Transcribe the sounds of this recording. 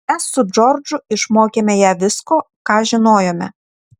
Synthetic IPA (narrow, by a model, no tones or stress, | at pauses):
mʲɛsːʊd͡ʒɔɾd͡ʒʊɪʃmoːkʲeːmʲɛjæːʋʲɪskoː | kɑːʒʲɪnoːjoːmʲɛ̰